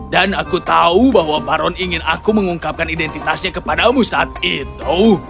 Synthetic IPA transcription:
danakut̪aubaɦwapaɾɔniŋɪnakuməŋuŋkap̚kanidɛnt̪it̪asɲakəpadamusaːt̪̚it̪u

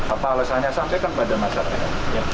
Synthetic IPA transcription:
apalasaɲasampɛjkanbadamasaɾa̰ja

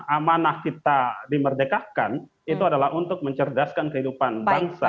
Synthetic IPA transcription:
amanahkit̪adimərdekahkan | it̪uadalahunt̪ʊk̚məɲt͡ʃərdaskankəɦidupanbbaŋsa̰

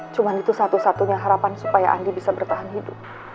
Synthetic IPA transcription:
t͡ʃumanit̪usat̪usat̪uɲaɦaɾapansu̥paja̰ʔa̰ndibisabərt̪aɦanɦidʊp̚

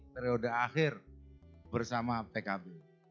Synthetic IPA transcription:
t̪ɛɾiodəaxɪr | bərsamapɛkabɪ

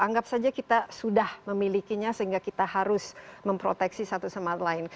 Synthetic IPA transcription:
aŋɡap̚sad͡ʒakit̪asudahməmilikiɲasəɦiŋɡakit̪aɦaɾʊsməmpɾo̰t̪ɛksisat̪usəmaat̪laɪn

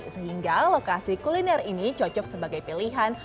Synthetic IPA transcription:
səɦiŋɡalokasikulinɛrinit͡ʃɔt͡ʃɔk̚səbaɡajpiliɦan

